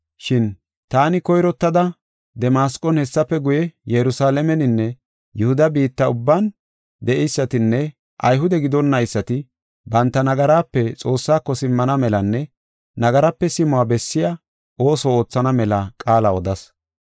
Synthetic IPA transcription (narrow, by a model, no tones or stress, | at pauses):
ʃɪn | t̪aːnɪkɔjɾɔt̪ːɐd̪ɐ | d̪ɛmaːskʼːɔnhɛsːɐpːɛɡʊjɛjɛɾʊsaːlɛmɛnɪnːɛ | jʊhʊd̪ɐbiːt̪ːɐʊbːan | d̪ɛʔɛjsːɐt̪ɪnːɛ | ʔɐjɦʊd̪ɛɡɪd̪ɔnːɐjɪsːɐt̪ɪ | bɐnt̪ːɐnɐɡɐɾaːpːɛt͡sʼo̞ːsːaːkːɔsɪmːɐnɐmɛlɐnːɛ | nɐɡɐɾɐpːɛsɪmʊaːbɛsːɪja | ʔo̞ːsɔo̞ːt͡sːɐnɐmɛlɐkʼaːlɐɔd̪ɐs